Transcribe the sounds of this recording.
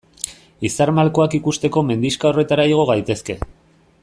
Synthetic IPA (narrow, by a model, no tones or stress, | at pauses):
isaɾmalko̞akikust̪e̞ko̞me̞nd̪iskaore̞t̪aɾaiɣ̞o̞ɣ̞ajt̪e̞ske̞